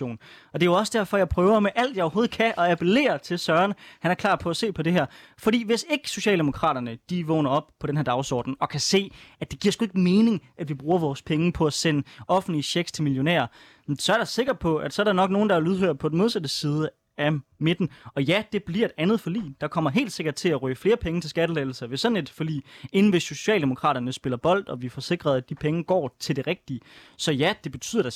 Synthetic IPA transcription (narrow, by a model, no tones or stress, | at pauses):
o̝̰ːnɒ̽d̥e̝joɒ̽sd̥æɐfɒ̽jɑ̈ɪpʰʁœːʊɐmeʔæl̰d̥jɑɒʊho̝ːð̩ˠkʰæʔɒ̽æpʰele̝̰ːɐt͡sʰe̝lsɶɐɐnhænæɐkʰlɑ̰̈ːd̥̚pʰɒ̽æse̝̰ːpʰɒ̽de̝ɦæɐ̰fɒ̽d̥ḭːʋe̝se̝ɡ̥əso̝ɕɛ̰ːld̥emo̝kʰʁɑ̰̈ːɾ̥ɐnəd̥iʋɔ̽ːnɐɒ̽b̥pʰɒ̽denɦheɐdɑ̈ʊsɒ̰ːd̥n̩ɒ̽kʰæse̝̰ːæd̥e̝ɡ̥iɐ̰sɡ̥ue̝ɡ̥me̝ːne̝ŋʔæd̥ʋib̥ʁuːɐʋɒːspʰeŋəpʰɒ̽æsenɒ̽fn̩liɕeɡ̥st͡sʰe̝lmiljo̝nḛːɐ | sɒ̽æɐɾ̥ɑ̈se̝ɡ̥ɐd̥̚pʰɒ̽ʔæd̥sɒ̽ɐɾɑ̈nɒ̽ɡ̥no̝ːn̩d̥ɑæɐluð̞ˠɦøɐ̰̥pʰɒ̽den̩mo̝ð̞ˠsæd̥əsiːð̞ˠə | æmed̥n̩ɒ̽jæd̥e̝b̥liɐe̝d̥ænð̞̩ˠfɒ̽lḭːd̥ɑ̈kʰɒ̽m̰ɐɦe̝̰ːld̥se̝ɡ̥ɐd̥̚t͡sʰe̝læʁyːfle̝ːɐpʰeŋət͡sʰe̝sɡ̥æɾ̥əleːl̩sɐʋe̝sːɒ̽ne̝d̥fɒ̽d̥ḭːe̝nn̩ʋe̝so̝ɕɛ̰ːld̥e̝mo̝kʰʁɑ̰̈ːɾ̥ɐnəsb̥e̝lɐb̥ɒ̽l̰d̥ɒ̽ʋifɒ̽se̝ɡ̥ʁɐð̞̩ˠæd̥ipʰeŋəɡ̥ɒ̰ːt͡sʰe̝ld̥eʁɛɡ̥̚d̥iə | sɒ̽jæd̥e̝b̥e̝t͡sʰyð̰ˠɐ̥ɑ